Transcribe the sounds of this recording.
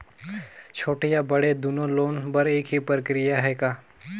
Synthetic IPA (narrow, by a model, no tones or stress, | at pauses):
t͡ʃʰoːʈijabɐɽed̪ʊnõloːnpɐɾeːkɦipɾəkɾɪjaɦɛkaː